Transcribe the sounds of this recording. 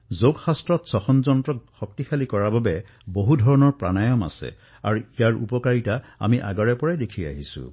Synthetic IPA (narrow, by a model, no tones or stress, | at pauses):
zoɡxastɹɔtsɔxɔnzɔntɹɔk̚xɔk̚tixʰalikɔɹababɛ | boɦudʱɔɹɔnɔɹpɹanajɔma̰sɛ̰ | a̰ɹuijaɹʔṵpɔkaɹitaa̰miʔa̰ɡɔɹɛpɔɹajdekʰia̰ɦisṵ̃